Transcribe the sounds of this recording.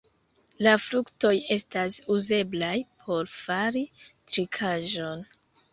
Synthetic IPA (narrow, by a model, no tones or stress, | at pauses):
lafɾukto̞je̞stasuze̞blajpʰo̞ɾfaɾitɾikʰaʒo̞n